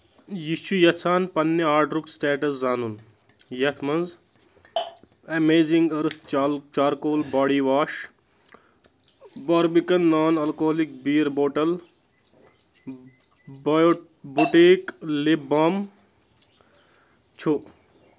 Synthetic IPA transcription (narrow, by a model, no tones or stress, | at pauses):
jit͡ʃʰujɐt͡sʰaːnpɐnːeaːɾʈɾuksʈeːʈɐszaːnun | jɐt̪ʰmɐnz | ɐmeːziŋɡɐɾɨt̪ʰt͡ʃaːɾkoːlbaːɽiʋaːʃ | baːɾbikɐnːaːnɐlkoːɦɐlik̚biːɾboːʈɐl | buʈeːklibam | t͡ʃʰu